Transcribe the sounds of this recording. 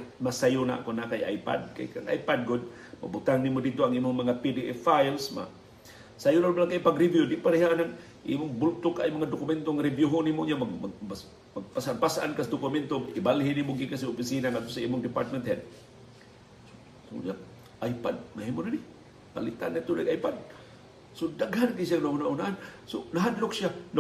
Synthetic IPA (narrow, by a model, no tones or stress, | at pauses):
masajʊna̰ʔkonakajʔa̰jpa̰d̪̚ka̰jkaŋa̰jpad̚ɡʊd̪̚ | ma̰but̪aŋnimodit̪oaŋimʊŋmaŋapidiʔɛfajlsma̰ | sajʊnabalaŋkajpaɡɾɪvjudiʔpaɾɪɦaʔanaŋ | ʔimʊŋbʊlt̪ʊkajmaŋadʊkʊmɛnt̪oŋaɾɪbjuɦʊnimʊɲamaɡmas | maɡ̚pasʔanpasʔa̰nkasdʊkʊment̪oŋibalɦinimʊɡikas̬iopisinaŋat̪t̪osaimʊŋdɪpa̰ɾt̪̚mɛnt̪hɛd̪̚ | so̥ | kʊ̰ɲa | ʔajpad̚maɦimʊnani | pa̰lɪt̪a̰nat̪ʊdaɡʔajpad̪̚ | sodaɡhankaisijaŋnaunaʔhunaʔansonaɦadlʊkʃjan